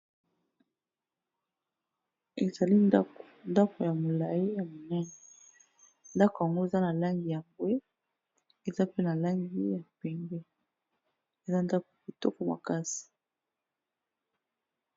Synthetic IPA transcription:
e˨za˨li˦nda˦ko̥˨nda˦ko˨ja˨mo˨la˨ji˦ja˨mo˨nɛ˦nɛ˨ | nda˦ko˨ja˨ŋɡo˦e˨za˦na˨la˦ŋɡi˨ja˨mbwe˦ | e˨za˦pe˦na˨la˦ŋɡi˦ja˨pɛ˨mbɛ˦ | e˨za˦nda˦ko˨a˨bi˨tɔ˦ko˨ma̰˨ka˦si̥˨

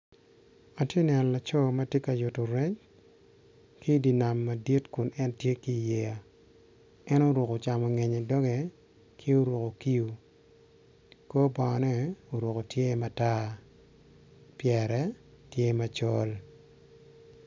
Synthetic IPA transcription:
a˨tje˦nɛ˨nɔ˨la˨t͡ʃɔ˦ma˦tje˦ka˨jʊ˨to˨ɾɛ˦t͡ʃ | ki˦di˨na˨mːa˨di˦tkʊ˨nɛ˦ntje˦ki˦˨jɛ˨a˨ | ɛ˦no˦ɾo˨ko˨t͡ʃa˨mɔ˨ŋe˨ɲe˨dɔ˦ŋe˨ | kʰi˦o˦ɾo˨ko˨ki˦u˨ | ko˦ba˨ŋɔ˨nɛ˦o˨ɾo˨ko˨tje˦ma˨ta˦ | pjɛɾɛ˨ | tje˦ma˨t͡ʃɔ˦l

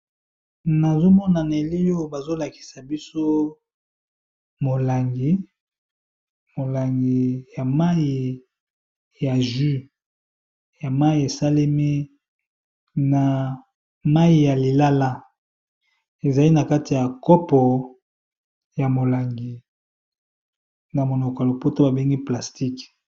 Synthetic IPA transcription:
na˨zo˦mɔ˦na˨n˨e˨li˦jo˦ba˨zo˦la˨ki̥˨sa˨bi˦so˦ | mo˨la˨ŋɡi˨ | mo˨la˨ŋɡi˨ja˨ma˦i˨ | ja˨ʒi˦ | ja˨ma˦i˦˨e˨sa˦le˦mi˦ | na˨ | ma˦i˨ja˨li˨la˦la˦ | e˨za˨li˦na˨ka˦ti˨ja˨kɔ˦pɔ˨ | ja˨mo˨la˨ŋɡi˨ | na˨mo˨nɔ˨kɔ˨lo˨po˦to˦ba˨be˦ŋɡi˦pla˨sti˦k

